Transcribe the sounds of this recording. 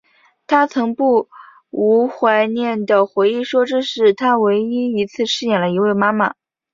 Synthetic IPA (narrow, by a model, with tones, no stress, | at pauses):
t̪ʰa˥t͡sʰɤ˧˥ŋpu˥˩ | u˧˥xwa˧˥ɪnjɛ˥˩nd̪ə˩xwe˧˥ɪi˥˩ʂwɔ˥ʈ͡ʂɻ̩˥˧ʂɻ̩˥˩t̪ʰa˥we˧˥ɪi˥i˧˥t͡sʰɹ̩˥˧ʂɻ̩˥˩jɛ˨˩nlə˦i˧˥we˥˩ɪma˥mə̰˨˩